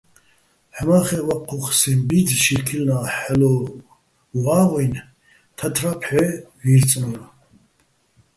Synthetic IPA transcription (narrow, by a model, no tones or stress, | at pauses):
ħɛmaχɛwaqʰːuχsɛmbid̪ʃiɾkʰilnaħɛlɔ | waːʁɔjn | t̪ʰat̪ʰɾapʰħɛviːɾt͡sʼnɔɾ